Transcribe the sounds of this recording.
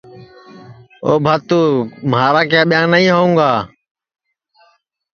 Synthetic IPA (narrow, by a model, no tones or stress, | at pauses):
oːbʱaːt̪uːmaːɾaːkjaːɓɪjãːnəĩːɦoːũːŋɡaː